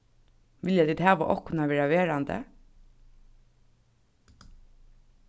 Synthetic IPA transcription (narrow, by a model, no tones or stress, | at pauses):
ʋɪljad̪iːd̪hɑːʋəʔɔhkʰːʊnaʋeːɹaʋeːɹand̪ə̰